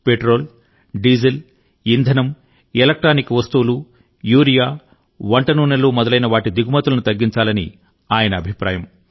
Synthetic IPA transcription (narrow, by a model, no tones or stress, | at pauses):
peʈɾoːl | ɖid͡ʒil | ind̪ʱɐnɐm | elɐk̚ʈɾaːnikːʋɐst̪uːulu | juːɾijaː | ʋɐɳʈɐnuːnɐlːoːmɔd̪ɐlɐjnɐʋaːʈid̪iɡumɐt̪ulɐnut̪ɐɡːiɲt͡ʃaːlɐnḭ | aːjɐnɐːbʱipɾa̰ːjɐm